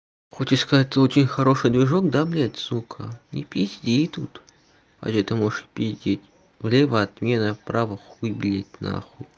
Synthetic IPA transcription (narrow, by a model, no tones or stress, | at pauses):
xot͡ɕɪt̪skɐzatʲt̪əot͡ɕɪnʲxɐɾo̞ʂɨjd̪vʲɪʐokd̪ablʲatʲzukʰə̰nʲɪ̰pʲisʲdʲit̪ut̪ | a̰ʒɛt̪ɨmoʐɨpʲidʲetʲ | vlʲevəɐt̪mʲenəpɾavɨxvɨbʲlʲetʲna̰xʊ